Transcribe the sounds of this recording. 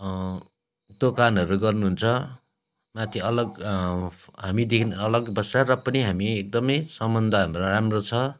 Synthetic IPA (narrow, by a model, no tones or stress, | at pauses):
t̪okanʌɾuɡʌrnuɦunt͡sʰʌ | mat̪ʰiʌlʌɡ | ɦamid̪ekʰnʌlʌɡbʌsarʌpʌniɦamiek̚d̪ʌmʌjsʌmbʌnd̪ʱanɾʌɾamrot͡sʰʌ